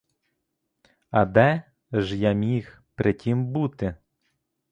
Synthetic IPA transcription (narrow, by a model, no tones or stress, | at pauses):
ɐd̪ɛ | ʒjamʲix | pɾʔɪtʲimbut̪ɪ